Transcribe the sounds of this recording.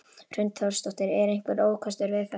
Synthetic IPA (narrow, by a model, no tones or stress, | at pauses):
r̥ʏnt̪fast̪ɔht̪ɪɾɛɾejŋ̥kvɛɾoːwkʰast̪ʏɾvɪðfɛ